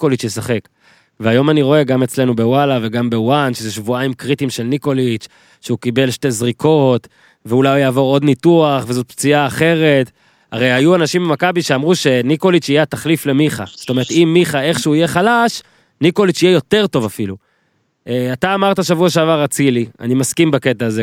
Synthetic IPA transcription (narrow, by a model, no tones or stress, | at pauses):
kolit͡ʃjesaχe̞k | veajo̞maniʁo̞e̞ɡamet͡sle̞nube̞walave̞ɡambe̞wanʃezeʃvuaimkʁitimʃe̞lniko̞lit͡ʃ | ʃeukibe̞lʃte̞zʁikʰo̞t | veulajjaːvo̞ʁo̞d̪nituaχve̞zo̞t̪̚pt͡siaːχe̞ʁe̞t | a̰ʁejajuanaʃimbemakabiʃeamʁuʃe̞niko̞lit͡ʃijat̪aχlifle̞miχa̰zotoeet̪imːiχae̞χʃeuije̞χalaʃ | niko̞lit͡ʃijejo̞t̪e̞ʁto̞vafilu | ʔeat̪aːmaʁt̪aʃavuaʃ̬eavaʁat͡silia̰nimaskimbake̞taːze